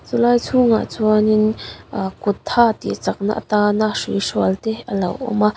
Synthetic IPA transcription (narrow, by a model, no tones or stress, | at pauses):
t͡sulaːjt͡sʰuŋa̰t͡suanin | kʊt̪ʰːat̪ḭt͡sak̚na̰ʔt̪anaʂisualt̪ɛʔəlɐwʔɔ̰ma